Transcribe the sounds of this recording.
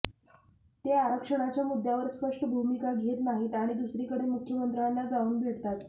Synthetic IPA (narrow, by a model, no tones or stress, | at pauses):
t̪eaɾəkʂəɽ̃at͡ɕjamud̪ʱjaʋəɾspəʂʈəbʱumikaɡʱet̪naɦiːt̪aɽ̃id̪usɾiːkəɽemukʰjəmənt̪ɾjanlːad͡zauːnbʱeɽt̪at̪